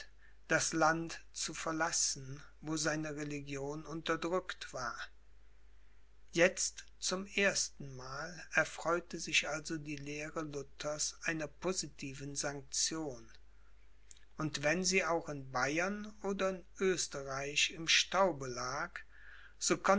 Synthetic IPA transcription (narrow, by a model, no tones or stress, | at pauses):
d̥aslantt͡sufɛɐlasn̩ | voːzaɪnəʁeliɡjoːnʊntɐdʁʏktv̥aːɐ | jɛt͡st | t͡sʊmʔeːɐstn̩maːlɛɐfʁ̥ɔʏtəzɪçʔalzodiːleːʁəlʊtʰɐsʔaɪnɐpʰozitʰiːvən̩zaŋk̚t͡sjoːn | ʔʊntv̥ɛnziːaʊxɪnbaɪɐnoːdɐɪnʔøːstəʁaɪçɪmʃtaʊbəlaːk | z̥oːkʰɔn